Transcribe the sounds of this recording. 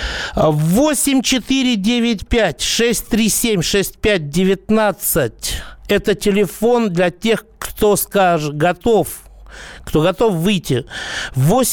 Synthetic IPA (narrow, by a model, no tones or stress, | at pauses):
vo̞sʲɪmʲt͡ɕɪt̪ɨɾʲɪdʲevʲɪt̬̚ʲpʲætʲʂɛsʲtʲt̪ɾʲisʲemʲʂɛsʲt̚ʲpʲæt̚ʲdʲɪvʲɪt̪nat̪sɨtʲɛt̪ətʲɪlʲɪfo̞nd̪lʲɐtʲe̞xkt̪o̞skaʐɨɡɐt̪of | kt̪o̞ɡɐt̪o̞fvɨjtʲːɪvosʲ